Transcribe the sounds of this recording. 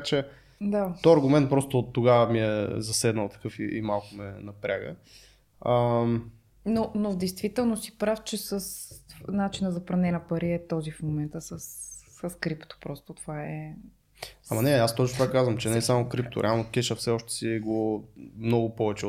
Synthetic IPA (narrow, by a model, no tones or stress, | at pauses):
t͡ʃɛ | d̪aɔɐɾɡʊmɛnt̪̚pɾɔst̪ot̪ːoɡavəmiɛzɐsɛd̪nəlˠt̪ɐ̥kɤfiḭmalˠkʊmɛnɐpɾʲaɡə̰ | ə | nonovd̪ɛjst̪vit̪ɛlˠnosi̥pɾaft͡ʃɛsəsnat͡ʃinəzɐpɾɐnɛnəpɐɾiɛt̪ɔzifmomɛnt̪əsəsː | əskɾipt̪o̥pɾɔst̪ot̪ovaɛ | amɐnɛast̪ɔt͡ʃnot̪vakazvəmt͡ʃɛnɛsamokɾipt̪o̰ɾʔɛ̰alˠnok̟ʲɛʃəfsɛɔʃt̪ɛ̥siɡomnɔɡʊpɔvɛt͡ʃɛo